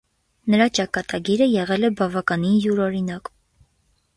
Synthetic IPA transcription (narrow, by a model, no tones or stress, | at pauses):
nəɾɑt͡ʃɑkɑt̪ɑɡiɾəjɛʁɛlɛbɑvɑkɑninjuɾɔɾinɑk